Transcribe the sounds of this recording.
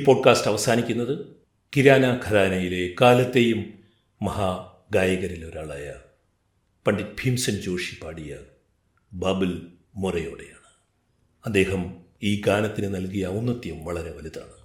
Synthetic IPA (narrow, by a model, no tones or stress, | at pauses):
ipo̞ːɖ̚kaːsʈɐʋɐsaːnikʲːunːɐðɨ | kiɾaːnɐɡʱɐðaːnɐjile̞kaːlɐt̪ːe̞jumː | ɐhaː | ɡaːjɐɣɐɾilo̞ɾaːɭaːjɐ | pɐɳɖit̚bʱimsɐnt͡ɕo̞ːʂipaːɽijɐ | baːbɨl | murɐjo̞ːɽe̞jaːɳɨ̥ | ɐd̪ːe̞ːɦɐm | iːɡaːnɐt̪ːinɨnɐlkijɐunːɐt̪ːjumʋɐɭɐɾe̞ʋɐlit̪a̰ːɳɨ